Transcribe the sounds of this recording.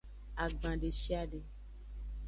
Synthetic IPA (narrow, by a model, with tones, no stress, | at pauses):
a˨ɡ͡bã˨ɖe˨ʃi˦a˦ɖe˨